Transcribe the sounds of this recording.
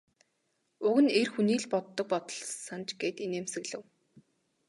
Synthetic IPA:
ʊɣɘ̆nerxuniːɮpɔt̪ːɞ̆k̚pɔt̪ɞ̆ɮsant͡ɕɡeːt̪ineːmsɘ̆ɣɮɘ̆w

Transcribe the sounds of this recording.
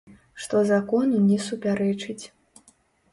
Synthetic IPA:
ʂt̪ɔzakɔnunʲɛsupʲaɾɛt͡ʂɨt͡sʲ

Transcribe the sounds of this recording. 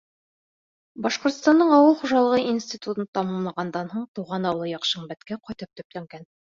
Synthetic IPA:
bɑʃqŏɾt̪st̪ɑnɤɴɑwɤlˠχuʒɑlˠɤ̆ʁɤinsʲt̪ʲit̪ut̪ɤnt̪ɑmɑmlˠɑʁɑnd̪ɑnɦuɴt̪uʁɑnɑwlˠɤjɑqʃɤɴbæt̪kæqɒjt̪ɤp̚t̪ɵ̆plæŋɡæn

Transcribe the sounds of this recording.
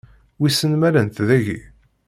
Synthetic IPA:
wisːənmæɾənt̪ðæʝḭ

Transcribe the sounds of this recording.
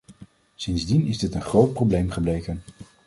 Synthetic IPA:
sɪnzdinɪzdɪtənχrowt̚prowblejmχəblejkən

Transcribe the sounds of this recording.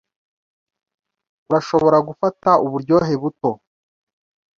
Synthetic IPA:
uɾaʃo̞βo̞ɾaɡufatauβuɾɟo̞ːɦe̞βuto̞

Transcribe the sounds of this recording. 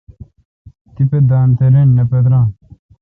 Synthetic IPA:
t̪iped̪aːnt̪eɾenːɐpet̪ɾãː

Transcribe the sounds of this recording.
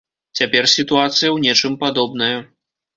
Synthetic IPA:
t͡sʲapʲɛrsʲit̪uat̪sɨjɐwnʲɛt͡ʂɨmpad̪ɔbn̪ɐjɐ

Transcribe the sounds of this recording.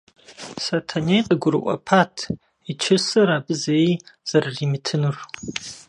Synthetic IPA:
sɐtʰɐnejqʼəɡʷʊɾɨ̰ʔʷʼɔ̰pʰaːtʰ | it͡ʃʰɪsɐɾaːbɨzɐejz̥ɐrriːmɨtʰɨnɨr

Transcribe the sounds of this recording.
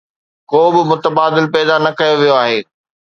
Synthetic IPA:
koːbɪmʊt̪əbaːd̪ɪlpɛːd̪anɐkɐjoʋijoaːɦeː

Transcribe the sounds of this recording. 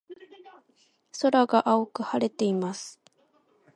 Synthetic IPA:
so̞ɾaɡaʔaokɯ̟haɾe̞t̪e̞imasɨ̥

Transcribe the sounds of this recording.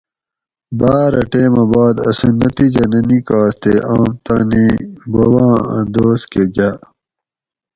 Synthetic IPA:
baːɾɐʈeːmɐbaːd̪ɐ̰sunːɐt̪id͡ʑɐnɐnikaːst̪eʔaːmt̪aːnibowɑ̃ːɐ̰̃d̪oːskeɡa

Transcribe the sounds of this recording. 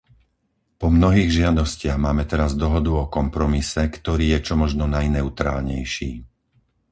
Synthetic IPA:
pɔmnɔɦiːɣʒɪad̪ɔscɪaɣmaːmɛt̪ɛɾazd̪ɔɦɔd̪uɔkɔmpɾɔmisɛkt̪ɔɾiːjɛt͡ʃɔmɔʒnɔnajnɛut̪ɾa̰ːlɲɛ̰jʃiː

